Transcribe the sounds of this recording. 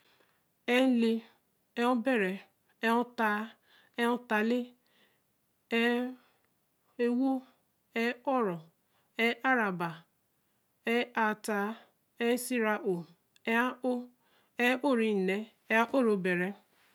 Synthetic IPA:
e˦li˦ | e˦u˦be˦˨ɾe˨ | e˦ʊ˦ta˦ | e˦ʊ˦ta˨li˦ | e˦ | e˦wo˦ | e˦ɔ˦ɾɔ˨ | e˦ʔa˦ɾa˨ba˨ | e˦ʔa˨ta˨˦ | e˦si˦ɾa˨ʔo˨ | e˦a˦o˦ | e˦o˦ɾi˦˨ne˨ | e˦a˦ʔo˦ɾo˨be˨ɾe˨

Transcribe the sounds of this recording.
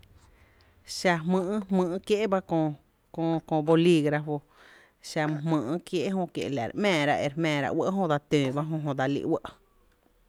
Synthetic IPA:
ʃa˧ɦmɨ̃˧˨ʔhmɨ̃ː˧ʔkje˦ʔba˦kõ˧ | kõ˧kõ˧bo˧li˧ɡɾa˧fo˧ | ʃa˧m˧˨ɦmɨ̃ː˧˨ʔkje˦ʔɦõ˧kjḛ˨ʔla̰˨ɾʔmɛ̃ː˧˨ɾa˧ʔe˧ɾmɛ̃ː˨ɾa̰˧ʔwə˦ʔɦõ˧d̪a˧t̪ẽː˨ba˦ɦõ˧ɦõ˧d̪a˧lḭ˧ʔwə˦ʔ

